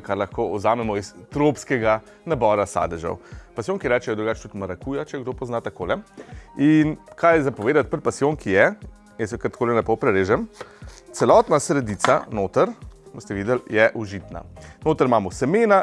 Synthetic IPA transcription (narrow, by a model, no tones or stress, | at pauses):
kaɾlɐxkoːɔ̰zaːmɛmɔist̪ɾopskɛɡa | nabɔɾasa̰d̪ɛʒɔ̰wpasjoːŋkjɛɾɛt͡ʃɛjɛd̪ɾuɡaːt͡ʃt̪ut̪maɾakujat͡ʃɛɡd̪opɔznat̪akoːlɛinkʰajɛzapɔʋeːd̪at̪̚pəɾpasjoŋkʰijɛ | jɛsjɛkəɾt̪koːlɛnɛpɔwpɾɛɾeːʒɛmt̪sɛlɔt̪nasɾɛd̪it̪sa̰noːt̪əɾmɔst̪ɛʋiːd̪ɛljɛʔuʒit̪na̰noːt̪əɾmaːmɔsɛmeːna